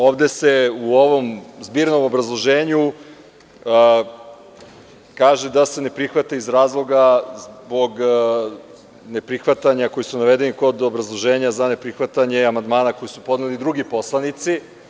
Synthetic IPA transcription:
o̞ːʋd̪e̞se̞uoʋo̞mzbiːɾno̞mobɾazlˠo̞ʒeːɲu | kaːʒe̞d̪ase̞ne̞pɾixʋat̪aizɾaːzlˠo̞ɡazbo̞ɡ | ne̞pɾixʋat̪aɲakojisunaʋe̞d̪eniko̞d̪o̞bɾazlˠo̞ʒe̞ːɲazane̞pɾixʋat̪aɲe̞amand̪maːnako̞jisupo̞d̪nelid̪ɾuɡipo̞slˠanit̪si

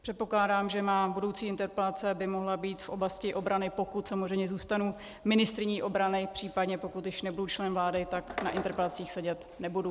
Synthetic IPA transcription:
pr̥ɛt̪̚po̞klaːdaːmʒɛmaːbudo̞wt͡siːɪnt̪ɛɾpɛlat͡sɛbɪmo̞ɦlabiːt̪fʔo̞blascɪʔo̞bɾanɪpo̞kut̪samozrɛjmɲɛzuːst̪anu | mɪnɪst̪ɾɪɲiːʔo̞bɾanɪpr̥iːpadɲɛpo̞kut̪jɪʃnɛbudut͡ʃlɛnvlaːdɪt̪akna̰ʔɪnt̪ɛɾpɛlat͡siːxsɛɟɛt̪ | nɛbudu

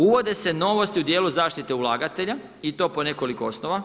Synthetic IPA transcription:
uʋo̞d̪e̞se̞no̞ʋo̞st̪iud̪je̞ːluzaːʃt̪it̪e̞ulˠaːɡat̪e̞ʎa | it̪o̞ːpo̞ne̞ko̞likoosnoʋa

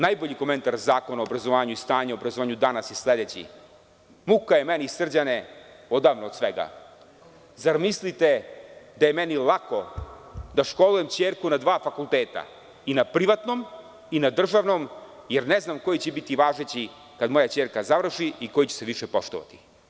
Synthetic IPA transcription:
najbo̞ʎiko̞me̞nt̪aɾzaːkonaobɾazo̞ʋaːɲuist̪aːɲaobɾazoaːɲud̪anasisled̪et͡ɕḭ | mukajemeniisr̩d͡ʑane | od̪aːʋnoːd̪sʋeɡa̰ | zaɾmislit̪e̞d̪ajemenilˠako̞ | d̪aʃko̞luje̞mt͡ɕeːɾkunad̪ʋaːfakulˠt̪eːt̪a̰ | inapɾiʋat̪nom | inad̪r̩ʒaʋno̞m | jeɾneznamko̞jit͡ɕebit̪iʋaːʒet͡ɕi | kad̪mo̞jat͡ɕeːɾkazaʋr̩ʃiiko̞jt͡ɕeseʋiʃepo̞ʃt̪oʋa̰t̪i̥

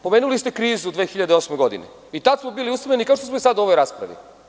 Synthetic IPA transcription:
pomeːnulist̪e̞kɾiːzud̪ʋeːxiʎad̪eo̞smeɡo̞d̪ḭne | it̪ad̪smobiːliust̪mʎenikaoʂt̪osmoisad̪uo̞ʋo̞jɾaːspɾa̰ʋḭ

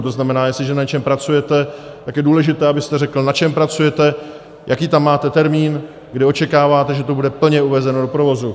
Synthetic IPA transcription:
t̪oznamɛnaːjɛstlɪʒɛnaɲt͡ʃɛmpɾat͡sujɛt̪ɛt̪akjɛduːlɛʒɪt̪ɛːabɪst̪ɛrɛkl̩nat͡ʃɛmpɾat͡sujɛt̪ɛ | jʔakiːt̪amːaːt̪ɛt̪ɛɾmiːn | ɡdɪo̞t͡ʃɛkaːvaːt̪ɛʒɛt̪o̞budɛpl̩ɲɛuvɛzɛno̞do̞pɾo̞vo̞zu

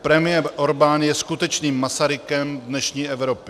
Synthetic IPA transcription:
pɾɛmɪjɛɾʔoɾbaːnjɛskut̪ɛt͡ʃniːmːasaɾɪkɛmdnɛʃɲiːɛvɾopɪ

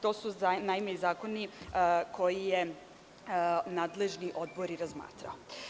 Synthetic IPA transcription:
t̪o̞ːsunajimeizaːko̞nikʰo̞jije | naːd̪le̞ʒniʔo̞d̪̚bo̞ɾiɾazma̰ːt̪ɾa̰o

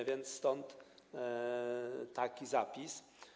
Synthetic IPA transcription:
vʲjɛnt̪sst̪ɔnt̪ | akʲizapʲis

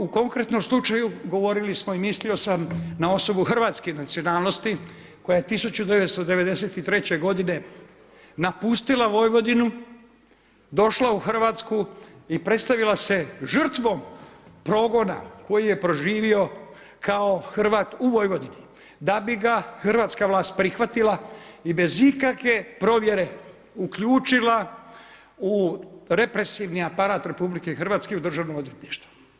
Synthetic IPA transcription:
uko̞ŋkɾe̞t̪no̞mslˠut͡ʃajuɡo̞ʋo̞ɾilismo̞imislio̞samnao̞so̞buxr̩ʋaːt̪skenat̪sionaːlˠno̞st̪iko̞jajet̪isut͡ɕud̪e̞ʋet̪st̪o̞d̪e̞ʋe̞d̪e̞se̞t̪it̪ɾe̞t͡ɕe̞ɡo̞d̪ine̞ | napust̪ilaʋo̞jʋo̞d̪inu | d̪o̞ʃlauxr̩ʋaːt̪skuipɾe̞t̪st̪aʋilase̞ʒr̩t̪ʋo̞mpɾo̞ːɡo̞na̰ko̞jije̞pɾo̞ʒiːʋio̞ | kʰao̞xrʋaːt̪uʋo̞jʋo̞d̪ini | d̪abiɡaxrʋaːt̪skaʋlˠaːst̪̚pɾixʋat̪ilaibe̞zikakʋe̞pɾo̞ʋje̞ɾe̞ | ukʎuːt͡ʃila | uɾe̞pɾe̞siʋniapaɾaːt̪ɾe̞publike̞xrʋaːt̪ske̞ud̪r̩ʒaʋnomo̞d̪ʋje̞t̪niʃt̪ʋu̥

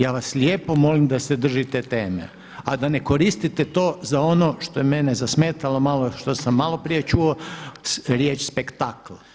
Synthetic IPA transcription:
jaːʋaslʲeːpo̞mo̞limd̪ased̪r̩ʒit̪et̪eːmḛ | ad̪ane̞ko̞ɾist̪it̪et̪oːzao̞no̞ʃt̪o̞jemenezasmeːt̪alomaloʃt̪o̞samːalo̞pɾije̞t͡ʃuo | ɾjeːt͡ʃspekt̪akla

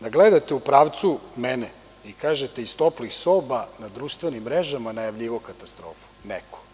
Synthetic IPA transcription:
d̪aɡled̪at̪eupɾaːʋt̪sumɛne | ikaːʒet̪eist̪oplixsoːbanad̪ɾuːʃt̪ʋenimːɾeʒamanajaʋʎiʋokat̪ast̪ɾo̰ːfu̥nḛko̥

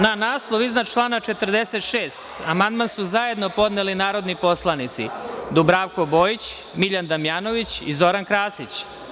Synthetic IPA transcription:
nanaːslˠoʋiznat͡ʃlˠaːnat͡ʃet̪ɾd̪eset̪ʃeːst̪amand̪mansuzaje̞d̪no̞po̞d̪nelinaːɾo̞d̪nipo̞slˠanit̪sḭd̪ubɾaːʋko̞bo̞ːjit͡ɕ | miʎand̪amjaːno̞ʋit͡ɕizo̞ɾankɾaːsit͡ɕ

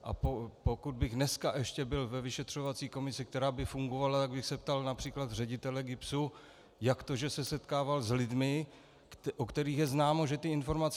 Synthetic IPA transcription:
ʔa̰popokud̪̚bɪxnɛskaʔɛʃcɛbɪlvɛvɪʃɛt̪r̝̥o̞vat͡siːko̞mɪsɪkt̪ɛɾaːbɪfuŋɡo̞valat̪aɡbɪxsɛpt̪alnapr̥iːklad̪rɛɟɪt̪ɛlɛɡɪpsu | jakt̪oʒɛsɛsɛt̪kaːvalzlɪdmɪ | kʔokt̪ɛɾiːxjɛznaːmo̞ʒɛt̪ɪɪnfo̞ɾmat͡s

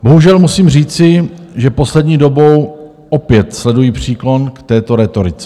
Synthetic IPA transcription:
bo̞ɦuʒɛlmusiːmriːt͡sɪʒɛpo̞slɛdɲiːdo̞bo̞w | ʔopjɛt̪slɛdujiːpr̝̥iːklo̞nkt̪ɛːt̪o̞ɾɛt̪o̞ɾɪt͡sɛ̥

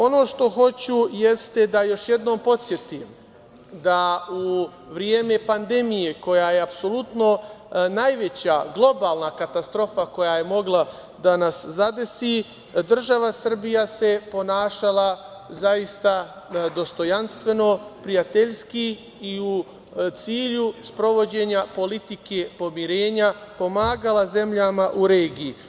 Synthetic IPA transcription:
o̞no̞ːʃt̪o̞xo̞t͡ɕujest̪e̞d̪ajo̞ʃje̞d̪no̞ːmpo̞t̪sje̞t̪im | d̪au | ʋɾjeːmepand̪e̞mije̞ko̞jaje̞apso̞lˠut̪no̞najʋe̞t͡ɕaɡlˠo̞baːlˠnakat̪ast̪ɾo̞fako̞jaje̞mo̞ɡlˠa | d̪anaszad̪e̞si | d̪r̩ʒaʋasr̩bijase̞po̞naːʃalˠa | zaist̪a | d̪o̞st̪o̞janst̪ʋe̞no̞pɾijat̪eʎski | iu | t̪siːʎuspɾo̞ʋo̞d͡ʑe̞ːɲapo̞lit̪ike̞po̞miɾe̞ːɲapo̞maːɡalaze̞mʎamaʔuɾe̞ːɡiji

